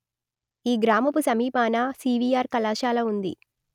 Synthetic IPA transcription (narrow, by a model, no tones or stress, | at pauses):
iːɡɾaːmɐpusɐmiːpaːnasiːʋiːaːɾkɐlaːʃaːlɐund̪ḭ